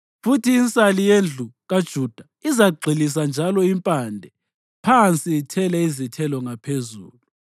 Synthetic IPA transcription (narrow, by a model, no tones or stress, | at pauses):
futʰiːnt͡sʼalijend͡ɮʱuɣad̥ʒ̥ʱud̥ʱa | izaɡ͡ǀʱilis̬and͡ʒʱalɔimpʼandʱɛ | pʰant͡sʼiːtʰɛlɛizitʰɛlɔŋapʰezṵːlu